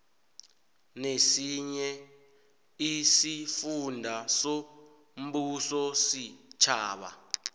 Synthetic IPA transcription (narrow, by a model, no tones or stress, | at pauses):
nesiɲɛ | isifundʱaso | m̩ɓusɔsit͡ʃʰaːɓa̰